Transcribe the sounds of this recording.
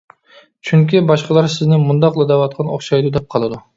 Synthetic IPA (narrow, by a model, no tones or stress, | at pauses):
t͡ʃʰyŋkʲibɑʃqɑlˠɑɾsɪznɪmund̪ɑqlˠɨd̪ɑwɑt̪̚qʰɑnoχʃɑjd̪ud̪ɛp̚qʰɑlˠɨd̪u